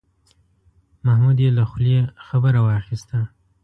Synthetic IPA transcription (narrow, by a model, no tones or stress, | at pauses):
mahmud̪jelaxuljexabəɾawɑxist̪a